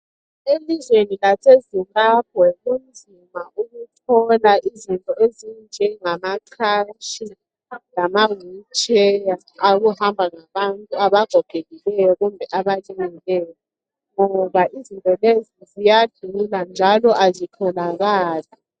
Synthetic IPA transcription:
elizwenilasezimbab̥̚ʱwɛɣumd͡zʱimaʔuɣutʰɔlaʔizintʼɔezind͡ʒʱɛŋamaǀʰaʃi | lamawut͡ʃʼɛjaː | ɣuhambʱaŋaβantʼuaβaɡ̥ʱɔɡ̥ʱeɣilɛjɔɣumbʱɛʔaβalʼeŋilɛjɔ | ŋɔβaʔizintʼɔlezizijad̥ʱuland͡ʒʱalɔʔazitʰɔlaɣaːla

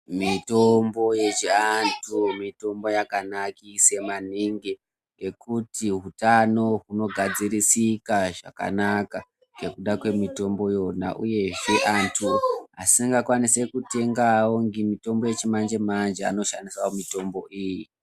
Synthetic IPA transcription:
mito̞mbo̞jet͡ʃiantʰumito̞mbo̞jakanakise̞maniŋɡi | e̞kutiɦutano̞ɦuno̞ɡʱad͡zirisikaʐa̰ka̰naka | ɡe̞kuɗakwe̞mito̞mbo̞jo̞na̰ʔṵje̞ʐeʔantʰuɦa̰siŋɡakwanise̞kute̞ŋɡawoŋɡimito̞mbo̞je̞t͡ʃimand͡ʒemand͡ʒea̰no̞ʃandiswawomito̞mbo̞ʔiːji

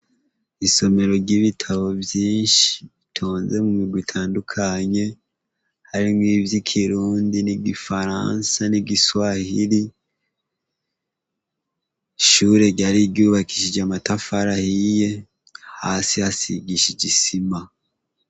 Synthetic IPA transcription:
iso̞me̞ɾo̞ɾɟiβitʰaβo̞vjiːnʃi̥itʰo̞ːnze̞mumiɡwitʰaːndukʰaɲe̞ | haɾimɡiːvjikʰiɾuːndiniɡifaɾa̰nsaniɡiswahiɾi | ʃuːɾe̞ɟaɾiɟuːβakiʃid͡ʒamatafaɾahije̞ | haːsihasiɡiʃiɟisima

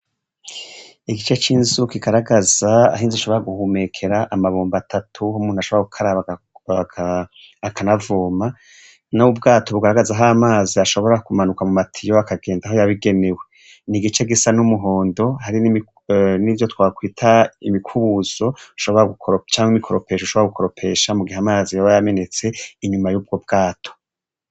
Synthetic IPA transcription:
iɡit͡ʃe̞t͡ʃiːnzukiɡaɾaɡazaa̰ɦiːnziʃo̞βo̞ɾaɡuhume̞kʰe̞ɾaʔamaβuːmbatʰatʰuhumuːn̥uhaʃoβaɡukʰaɾaβa | kʰa | akʰanavuːma | noub̚ɡaːtʰo̞βuɡaɾaɡazaɦaːmaːziaʃo̞βo̞ɾakumanukamumatʰijo̞akʰaɡe̞ːndaɦo̞jaβiɡe̞ne̞we̞ | niɡit͡ʃe̞ɡisanumuɦo̞ːndo̞haɾinimi | nivjo̞twakwiːtʰaimikʰuβuz̥o̞u̥ʃo̞βo̞ɾaɡukt͡ʃaːŋhwimikʰo̞ɾo̞pe̞ːʃoʃoβaɡukʰoɾo̞pʰe̞ːʃamuɡihamaːzijaβajame̞ne̞t͡se̞iɲumajuːb̚ɡo̞b̚ɡaːtʰo

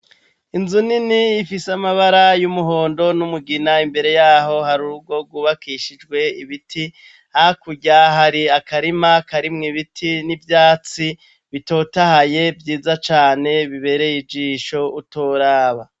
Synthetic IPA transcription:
inzuniniːfisamaβaɾajumuɦo̞ːndo̞numuɡinaimbe̞ɾe̞jaːɦo̞haɾuub̚ɡo̞ɡuβakiːʃid͡ʒɡwe̞iβiti | hahakuɟaɦaɾiakaɾimakaɾimŋiβitʰinivjaːt͡si | βito̞ːtahaje̞vjiːzat͡ʃaːne̞βiβe̞ɾe̞jid͡ʒiːʃo̞utoɾaːβa

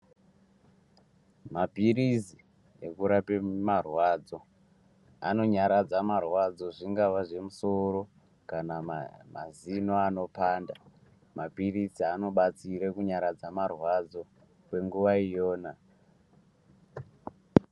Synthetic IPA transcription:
mapiɾizi | ekuɾapemarwad͡zo̞ | a̰no̞ɲaɾad͡zamarwad͡zo̞ʐiŋɡaʋaʐe̞muso̞ɾo̞ | kanama̰zinoano̞paːnda | mapirisiano̞ɓat͡siɾekuɲaɾad͡zamarwad͡zo̞ | kwe̞ŋɡuʋaijoːna

